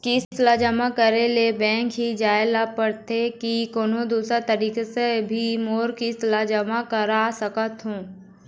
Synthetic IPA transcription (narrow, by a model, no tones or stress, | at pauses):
kislad͡ʒəmakəɾelebɛ̃ːŋkɦid͡ʒaːelapəɾt̪ʰekikoːnõd̪uːsɾat̪ɐɾiːkesebʱimoːɾkislad͡ʒəmakəɾasəkət̪ɦũː